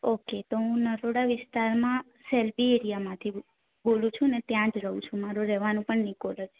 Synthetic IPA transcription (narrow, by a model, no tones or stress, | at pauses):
oket̪oɦũnəɾoɽaʋɪst̪aɾmã | sɛlbieɾijamãt̪ʰi | bolũt͡ʃʰũnet̪jãd͡ʒɾəɦũt͡ʃʰũmaɾoɾɛʋanũpəɳnikoləd͡ʒʰ